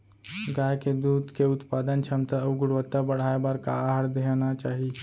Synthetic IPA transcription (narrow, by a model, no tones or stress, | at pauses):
ɡajked̪uːd̪keut̪pad̪ənt͡ʃʰamt̪əəʋɡuɽʋət̪abəɽ̤ajabaɾkaɦaɾd̪enat͡ʃaɦi